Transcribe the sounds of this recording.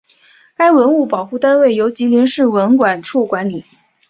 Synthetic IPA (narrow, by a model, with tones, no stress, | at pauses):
ka˥ɪwə˧˥nu˥˩pɑ˨˩ʊxu˥˩t̪a˥nwe˥˩ɪjo˧˥ʊt͡ɕi˧˥ljɛ˧˥nʂɻ̩˥˩wə˧˥nkwa˨˩nʈ͡ʂʰu˥˩kwa˧˥nli˨˩˦